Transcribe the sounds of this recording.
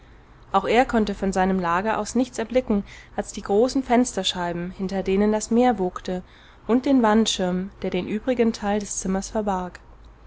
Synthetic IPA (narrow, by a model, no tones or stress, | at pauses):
ʔaʊxʔeːɐkʰɔntəfɔnzaɪnəmlaːɡɐʔa̰ʊsnɪçt͡sɛɐblɪkŋ̩ʔalsd̥iːɡʁoːsn̩fɛnstɐʃaɪbm̩hɪntɐdeːnəndasmeːɐvoːktə | ʔʊnt̚d̥eːnvantʃɪɐmd̥eːɐɾeːnʔyːbʁɪɡəntʰaɪldɛst͡sɪmɐsfɛɐbaɐk